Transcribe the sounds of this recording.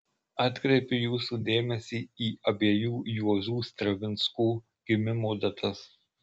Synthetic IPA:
ɑːt̪ʲkɾʲɛɪpʲʊjuːsuːd̪ʲeːmʲɛsʲiːiːɐbʲeːjuːjuɔʒuːst̪ɾɐʋʲɪnskuː | ɡ̥ʲɪmʲɪmoːd̪ɐt̪ʰɐs

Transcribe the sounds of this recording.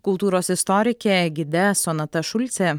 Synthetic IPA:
kʊlˠt̪uːɾoːsɪst̪ɔɾʲɪkʲeɡʲɪd̪ʲɛsoːnɐt̪ɐʃʊlʲt̪sʲɛ

